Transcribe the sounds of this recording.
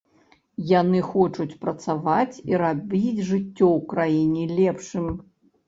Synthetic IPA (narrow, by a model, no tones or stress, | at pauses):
janɨxɔt͡ʂut͡sʲpɾɐt̪savat͡sʲiɾabʲid͡zʲʐɨt͡sʲːɔwkɾajinʲilʲɛpʂɨmʲ